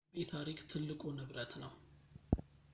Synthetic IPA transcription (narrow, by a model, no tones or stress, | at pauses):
jɛt̪ʰaɾikt̪ʰɨlːɨkʼunɨβɾət̪nəw